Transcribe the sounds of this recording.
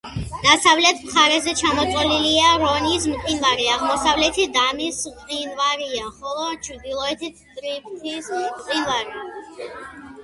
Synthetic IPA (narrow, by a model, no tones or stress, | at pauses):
d̪̥asavlɛt̪ʰmχaɾɛzɛt͡ʃʰamɔt̪sʼwɛliliaɾɔnis̬mq̪ʼinvaɾiaʁmɔsavlɛt̪ʰid̪amismt̪ʼinvaɾiaχɔlˠɔt͡ʃʰɾd̪ilˠɔɛt̪ʰi | d̪ɾip̚ʰt̪ʰismqʼinvaɾia